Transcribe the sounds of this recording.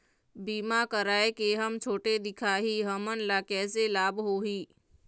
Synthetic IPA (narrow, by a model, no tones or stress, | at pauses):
biːmakəɾaːekeɦəmt͡ʃʰoːʈed̪ɪkʰaːɦiːɦəmənɪ̆lakɛːs̬elaːbɦoːɦiː